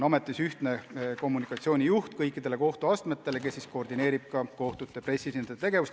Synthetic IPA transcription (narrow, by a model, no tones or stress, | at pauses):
ɑme̞t̪ːˑisyht̪ne̞ko̞mːunikːˑɑt̪sio̞ːnʲijuht̪̚kɤjkːˑid̪̥e̞le̞ko̞ht̪uɑst̪me̞t̪ːˑe̞le̞k̬e̞sːisko̞ːrd̪ine̞ːɾib̥̚kɑko̞ht̪ut̪ːˑe̞pre̞sʲisinet̪e̞ɡ̥e̞vust̪